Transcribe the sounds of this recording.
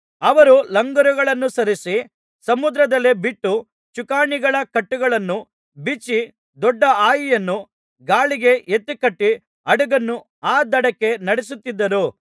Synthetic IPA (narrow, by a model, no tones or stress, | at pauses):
ɐʋɐɾulɐŋɡɐɾuɡɐɭɐnːusɐɾisi | sɐmud̪ɾɐd̪ɐlːebiʈːu | t͡ʃukaːɳiɡɐɭɐkɐʈːuɡɐɭɐnːu | bit͡ʃːi | d̪ɔɖːɐaːjijɐnːu | ɡaːɭiɡe̞et̪ːikɐʈːi | ɐɽuɡɐnːu | aːd̪ɐɽɐkːe̞nɐɽis̬ut̪ːid̪ːɐɾu